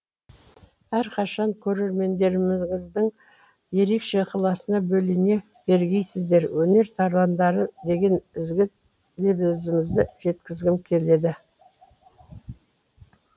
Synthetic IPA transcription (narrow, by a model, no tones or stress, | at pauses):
æɾqʰɑʃɑŋkʲʰɵɾe̞ɾme̞nd̪e̞ɾɪmɪmɪzd̪əɴ | je̞ɾe̞kʃe̞qʰɑlˠɑsənɑbɵlɪne̞ | b̥e̞ɾɡʲe̞jsɪzd̪e̞ɾwɵne̞ɾt̪ʰɑɾlɑnd̪ɑɾəd̪e̞ɡʲe̞nɪzɡʲɪt̪̚ | d̪e̞bzɪmɪzd̪ɪʒ̥e̞t̪kʲɪzɡʲɪmkʲʰe̞le̞d̪ɪ